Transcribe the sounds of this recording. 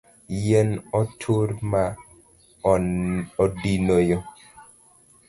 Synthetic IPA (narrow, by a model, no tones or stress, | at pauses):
jənɔtʰoɾma | ɔdinojo